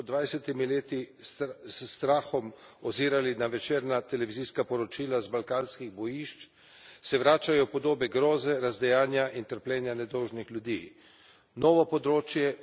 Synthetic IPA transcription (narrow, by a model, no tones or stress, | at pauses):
ɔd̪ʋajsɛt̪imileːt̪i | sst̪ɾaːxɔm | ɔziːɾalinaʋɛt͡ʃeːɾnat̪ɛlɛʋiziːskapɔɾɔt͡ʃiːlazbalkaːnskiɣbɔjiʃt͡ʃ | sɛʋɾaːt͡ʃajɔpɔd̪oːbɛɡɾɔːzɛɾazd̪ɛjaːnjaʔint̪əɾplʲɛːnjanɛd̪ɔwʒnixlʲjud̪iː | nɔːʋɔpɔd̪ɾoːt͡ʃjɛ